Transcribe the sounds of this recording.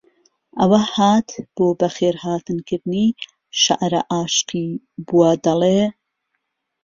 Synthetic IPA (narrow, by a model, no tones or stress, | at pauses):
ʔɐwɐhaːt̪b̥oːbɐxeːɾhaːt̪ɨnkɨɾd̪niː | ʃa̰ʔɾɐʔaːʃqiː | buwɐd̪ɐleː